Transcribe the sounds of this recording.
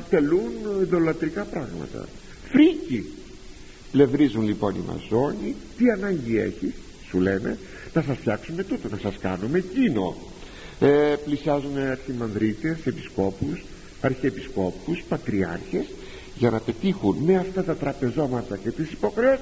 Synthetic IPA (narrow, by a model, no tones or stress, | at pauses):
t̪e̞luniðo̞lɐt̪ɾikɐpɾɐɣmɐ̰t̪ɐ̰ | fɾici | ple̞vɾizunlipo̞nḭmɐ̰zo̞ɲit̪iɐnɐɲɟie̞̰çisː | ule̞ne̞̰ | nɐsɐsfçɐksume̞t̪ut̪onɐsɐskɐnume̞cino̞̰ | eplisiɐzuneɐɾçimɐnðɾit̪e̞se̞pi̥sko̞pus | ɐɾçiːpisko̞puspɐt̪ɾiɐ̰ɾçe̞s | ʝɐnɐpe̞t̪ixunme̞ɐft̪ɐt̪ɐt̪ɾɐpe̞zo̞mɐt̪ɐce̞t̪isi̥po̞xɾeos